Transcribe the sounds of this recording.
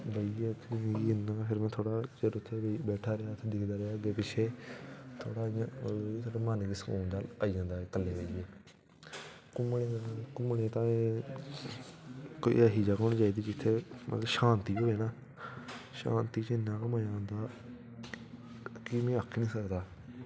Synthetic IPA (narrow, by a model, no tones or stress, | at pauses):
bəiet̪ʰːmːɡiɪnãpʰɪɾmɛ̃ːt̪ʰoːɽaːt͡ʃəɾʊt̪ʰːeːbɛːʈʰaːɾeaːt̪ʰeːd̪ɪkʰd̪aːɾeaːb̪eːpɪt͡ʃʰeːt̪ʰo̰ːɽaːt̪ʰoːɽaːmanɡisəkṵːnd̪aːlaːiːd͡ʒãːnd̪aːeːkəlːeːʋəieː | kʊmɽekʊmɳeːt̪ãːeː | kːəɦiːd͡ʒaːkoɳd͡ʒaːiːd̪iːd͡ʒɪt̪ʰːeːmʔə̰t̪ləʃãːnt̪iːɦoːeːnaː | ʃa̰ːnt̪iːt͡ʃɪnãːkəmad͡ʒãːnd̪aː | kɪmɛ̃ːəkʰːnĩːsəkd̪aː